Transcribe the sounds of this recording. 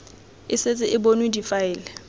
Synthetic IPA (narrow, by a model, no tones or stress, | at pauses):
ɪsɪt͡sʼɪʔɪbonwidifaɪːlɛ